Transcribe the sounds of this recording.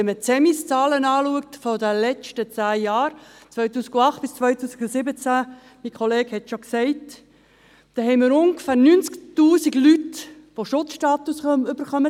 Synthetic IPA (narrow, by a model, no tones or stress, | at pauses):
ɛmət͡sɛmist͡sɑːlənɑːluək̚tfɔdəlɛt͡ʃtət͡sæːjɑːɾt͡sʋœʏtuːsiɡuɑχt̚b̥ɪst͡sʋœʏtuːsiɡ̥ʊsɪbət͡sæ | mikχɔleːkhɛtʃoksɛɪt | d̥ɛhɛɪməɾʊŋɡfæːɾnynt͡sktuːsiɡlyt | ʋoʃʊtt͡sʃtɑːt̪usʏbəɾχœmə